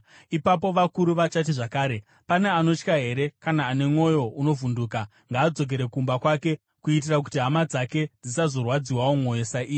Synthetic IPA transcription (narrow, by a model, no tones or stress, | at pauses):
ipapo̞ʋakuɾuʋat͡ʃat̬iʐakaːɾe̞ | pane̞ano̞t͡ʃkaɦe̞ɾe̞kanaːne̞mŋo̞jo̞uno̞vunduːka | ŋɡaːd͡zo̞k̬e̞ɾe̞kumbakwake̞ | kuit̬irak̬utiɦamad͡zake̞d͡zisazo̞rwad͡ziwawomwo̞josaiː